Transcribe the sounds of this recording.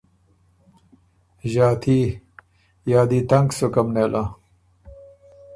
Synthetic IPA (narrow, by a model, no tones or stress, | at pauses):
ʑaːt̪ʰi | jaːd̪iːt̪ɐŋɡsokɐmneːlʔa